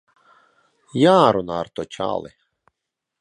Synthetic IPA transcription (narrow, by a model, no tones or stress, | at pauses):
jaɾunaɾt̪ɔt͡ɕa̰lˠɪ̰